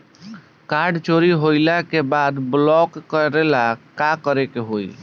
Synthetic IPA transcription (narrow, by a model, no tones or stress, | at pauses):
kaɾɖt͡ʃoɾiɦojlakebad̪blɔkːəɾelakakəɾekeɦoj